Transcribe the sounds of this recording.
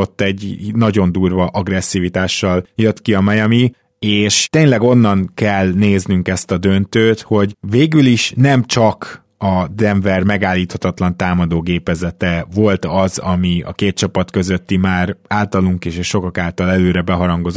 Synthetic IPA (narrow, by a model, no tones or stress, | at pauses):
ot̪ːɛɟnɒɟo̞nd̪uːrvɒʔɒɡrɛsːiːvit̪aːʃːɒljøt̪kiɒmɛjɒmi | eːʃt̪eːɲlɛɡo̞nːɒnkɛlneːznyŋkɛst̪ɒd̪ø̞nt̪øːt̪ho̞ɟveːɡyliʃnɛmt͡ʃɒk | ɒd̪ɛɱvɛrmɛɡaːlːiːt̪hɒt̪ɒt̪lɒnt̪aːmɒd̪oːɡeːpɛzɛt̪ɛvo̞lt̪ɒzɒmiɒ̰keːt̪̚t͡ʃɒpɒt̪kø̞zø̞t̪ːimaːɾaːlt̪ɒluŋkeːʃɛʃo̞kɒkaːlt̪ɒlɛløːɾɛbɛɦɒɾɒŋɡo̞z